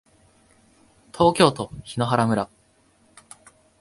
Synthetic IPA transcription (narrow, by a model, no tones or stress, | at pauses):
t̪ʰo̞ːkʲo̞ːt̪o̞çino̞ɦaɾamɯ̟ɾa